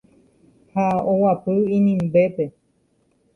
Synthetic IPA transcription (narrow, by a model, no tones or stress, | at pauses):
haowapɨĩnĩmbe̞pe̞